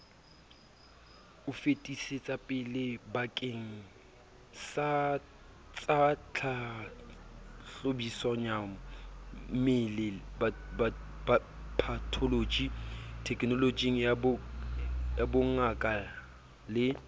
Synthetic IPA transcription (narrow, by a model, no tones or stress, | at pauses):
ʊfetʼiset͡sʼapʼɪlɪbakʼeŋ̩ | sa | t͡sʼat͡ɬʰa | ɬobisaɲaŋ̩ | mɪlɪbaa | pʰatʰolod͡ʒitʰɛkʼnɔlod͡ʒiŋ̩jab | jabʊŋakʼa | lɪ